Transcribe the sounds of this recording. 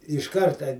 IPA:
ɪʃ ˈkɐrtɐ

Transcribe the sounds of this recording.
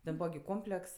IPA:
tʲɛn ˈbuːʋɐ ɡʲɪ ˈkoːmʲpʲlʲɛks

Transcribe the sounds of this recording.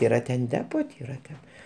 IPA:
ˈiːrɐ tʲɛn ˈdʲæːpoː tʲɪ ˈiːrɐ tʲɛn

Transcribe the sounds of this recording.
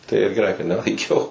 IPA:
tɐɪ ɪr ɡʲɛˈrɐɪ kɐt nʲɛlˠɐɪˈkʲɛʊ

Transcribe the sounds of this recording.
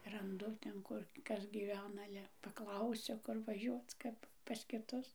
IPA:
rɐnˈdʊ tʲɛn ˈkʊr ˈkɐs ɡʲiːˈʋʲæːnɐ ˈɑːlʲɛ pɐˈklˠɐʊsʲʊ ˈkʊr ʋɐˈʒʲuɔt͡s ˈkɐp pɐs kʲɪˈtʊs

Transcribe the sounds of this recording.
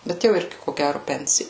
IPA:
ˈbʲɛt jɛʊ ˈɪrʲɡʲɪ koː ˈɡʲærʊ ˈpʲɛnʲsʲɪ

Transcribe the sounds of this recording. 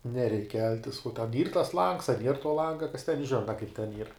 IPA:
nʲɛˈrʲɛɪk ˈkʲɛlʲtʲɪs uɔ tʲɛn ˈiːr tɐs lˠɐŋks ɐ nʲiɛr tuɔ ˈlˠɐŋɡɐ kɐs tʲɛn ˈʒʲɪnɐ kɐɪp tʲɛn ˈiːr

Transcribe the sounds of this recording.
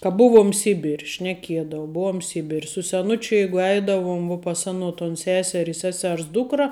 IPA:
kɐ ˈbʊʋuɔm ˈsʲɪbʲɪrʲ ʃʲnʲɛˈkʲiɛdɐʊ ˈbuɔm ˈsʲɪbʲɪrʲ sʊ sʲɛˈnʊt͡ʃʲʊ ˈjɛɪɡʊ ˈɛɪdɐʋʊm ʋuɔ pɐs ˈɑːnoː toːn ˈsʲæːsʲɛr ɪ ˈsʲæːsʲɛrs ˈduːkrɐ

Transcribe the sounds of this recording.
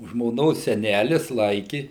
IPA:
ʒmoːˈnoːs sʲɛˈnʲælʲɪs ˈlˠɐɪkʲɪ

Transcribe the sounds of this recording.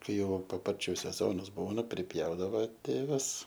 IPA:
ˈkɐɪ jɛʊ pɐˈpɐrʲt͡ʃʲʊ sʲɛˈzoːnɐs ˈbuːnɐ pʲrʲɪˈpʲjɛʊdɐʋoː ˈtʲeːʋɐs

